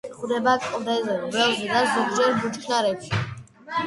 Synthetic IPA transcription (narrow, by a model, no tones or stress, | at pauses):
χuɾɛbakʼɔd̪ɛzɛɾbɛlzɛd̪azɔɡd͡ʒɛɾbut͡ʃkʰnaɾɛpʃi